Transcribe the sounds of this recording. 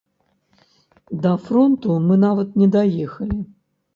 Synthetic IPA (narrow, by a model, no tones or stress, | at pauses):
d̪ɐfɾont̪umɨnavɐt̪nʲɛd̪ajɛxɐlʲi